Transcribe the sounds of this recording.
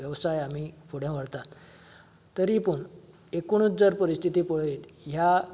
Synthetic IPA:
jəʋsajam̤ifʰoɽ̤jãʋəɽt̪at̪ː | əɾipuɳ | ekoɳ̃ut͡sd͡zaɾpəɾist̪ʰit̪iːpɔɭjet̪ja

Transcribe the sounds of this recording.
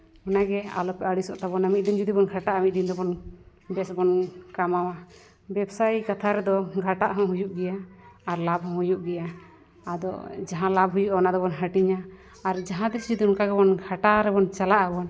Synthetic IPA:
ɔnaɡɛa̰lɔpɛʔaɽisɔʔt̪abɔnamit̪̚d̪ind͡ʒud̪ibɔnɡʱaʈaʔamit̪̚d̪ind̪ɔbɔn | bɛsbɔnkamawa | bɛbsajkat̪ʰaɾɛd̪ɔɡʱaʈaʔɦɔ̃ɦujuʔɡɛjaːɾlabɦɔ̃ɦujuʔɡɛja | ad̪ɔ̰d͡ʒaɦãlabɦujuʔaɔnad̪ɔbɔnɦəʈiɲaː | ɾd͡ʒaɦãd̪ɛsd͡ʒud̪unkaɡɛbɔnɡʱaʈaɾɛbɔnt͡ʃalaʔabɔn

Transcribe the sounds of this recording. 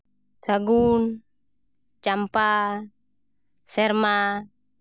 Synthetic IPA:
saɡun | t͡ʃampa | sɛrma

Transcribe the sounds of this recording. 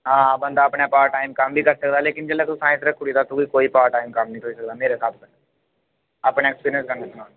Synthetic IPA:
ɦãːbənd̪aːəpɳepaːɾʈaːɪmkəmbʱiːkəɾsəkd̪aːleːkɪnd͡ʒɛlɛːt̪usaːɪ̃nsɾəkkʰʊɽid̪aːt̪ũʋikoːiːpaːɾʈaːimkəmnəĩt̪ʰoːisək̚d̪aːmeːɾesaːt̪ʰkə | apneːkspiːɾiə̃nskəɾneːsənaːn

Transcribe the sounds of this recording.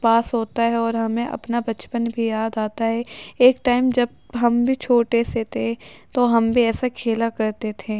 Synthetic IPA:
paːsɦoːt̪aɦɛɔːɾɦɐmẽʔɐ̰pnabɐt͡ʃpənbʱijaːd̪aːt̪aɦɛeːkʈaːɪmd͡ʒɐb̚ | ɦɐmbʱit͡ʃʰoːʈeset̪ʰet̪oɦɐmbʱiɛːsakʰeːlakɐɾt̪et̪ʰẽː

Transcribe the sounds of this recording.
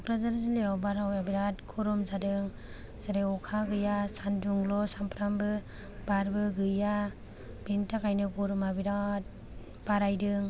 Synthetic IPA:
ɔkɾazaɾazileawbaɾawabiɾatɡʰuɾɔmzadɯŋ | zaɾeɔkʰaɡɯjasanduŋlɔsampɾambɯ | baɾbɯɡɯja | bintakajnɯɡɔɾɔmabiɾat̚ | b̥aɾajdɯŋ

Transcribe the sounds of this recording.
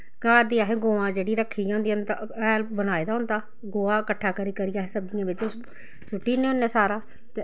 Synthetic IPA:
kaːɾd̪iːaːɦeːɡoːãːd͡ʒeːɽiːɾəkʰːiːãːɦʊnd̪iːnd̪aɛːlbənaːeːd̪aːɦʊ̃nd̪aː | ɡoːãːkəʈʰːaːkəɾiːkəɾijaːɦeːsəb̚d̪ɪjãːʋɪt͡ʃ | sʊʈːiːneːɦõːnːeːsaːɾaː | t̪e

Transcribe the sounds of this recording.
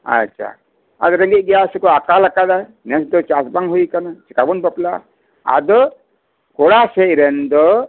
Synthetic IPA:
a̰t͡ʃʰa̰ | a̰d̪ɔɾɛ̃ŋɡit̚ɡɛjaʔsɛkɔakalakad̪a | nɛsd̪ɔt͡ʃasbaŋɦujkanat͡ʃɛ̥kabunbapla | a̰d̪ɔ | kɔɽasɛʔɾɛnd̪ɔ

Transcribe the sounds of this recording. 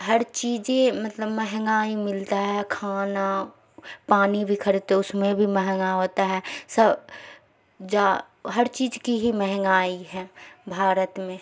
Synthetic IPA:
ɦɐɾt͡ʃiːd͡ʒẽmɐt̪ləbmɛɦŋɡaːimɪlt̪aɦɛkʰaːna | paːnibʱikʰəɾt̪ɛʊsmẽbʱimɛɦɛŋɡaɦoːt̪aɦɛːsɐb | d͡ʒaː | ɦɐɾt͡ʃiːd͡ʒkiɦimɛɦŋɡaːiɦɛ̃ːbʱaːɾət̪mẽ

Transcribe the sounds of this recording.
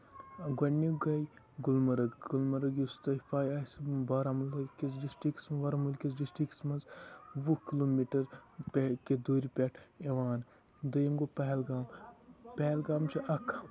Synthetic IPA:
ɡɐnːiɡɐj | ɡulmɐɾɐɡɡulmɐɾɐɡjust̪ɐjfaːjaːsbɐɾɐmulɐkisd͡ʒisʈiksmɐʋɐɾɐmulkisd͡ʒisʈiksmɐnzʋukiloːmiʈɐɾpʲeked̪oːɾipʲeʈʰeʋaːn | d̪ɐjimɡopɐɦlɡaːmpʲɛɦlɡaːmt͡ʃʰiʔɐkʰ

